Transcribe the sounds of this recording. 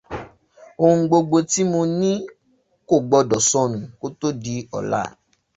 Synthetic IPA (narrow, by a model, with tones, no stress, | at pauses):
o˧hũ˧ɡ͡bo˧ɡ͡bo˧ti˦mõ˧nĩ˦ | ko˦˨ɡ͡bɔ˨˧dɔ˨sɔ̃˧ñũ˨ko˦to˦di˧ɔ̰˨la̰˦˨